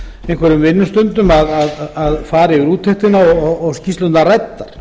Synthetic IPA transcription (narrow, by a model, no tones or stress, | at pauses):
ejŋkʰvɛɾʏmvɪnːʏst̪ʏnt̪ʏmaðaðaðfaːɾɛɣʏɾuːt̪ʰːɛht̪ɪnaɔɣɔɣɔɣscislʏnarɛt̪ːaɾ̥